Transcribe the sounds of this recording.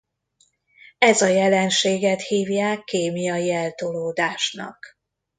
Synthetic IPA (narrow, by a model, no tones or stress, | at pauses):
ɛzɒjɛlɛnʃeːɡɛt̪hiːvjaːkːeːmijɒjiɛlt̪oloːd̪aːʃnɒ̰k